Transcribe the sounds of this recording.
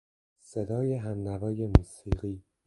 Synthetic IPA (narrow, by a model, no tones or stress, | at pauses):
sed̪ɒːjeɦændævɒːje̞muːsiːɢiː